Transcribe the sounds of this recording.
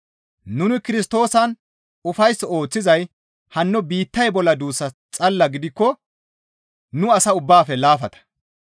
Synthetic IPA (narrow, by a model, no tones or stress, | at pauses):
nʊnɪkɪɾɪst̪o̞ːsɐn | ʊfɐjsːo̞ːt͡sːɪzɐj | hɐnːɔbiːt̪ːɐjbɔlːɐd̪uːsːɐt͡sʼɐlːɐɡɪd̪ɪkːɔ | nʊɐsɐʊbːaːfɛlaːfɐt̪ɐ̥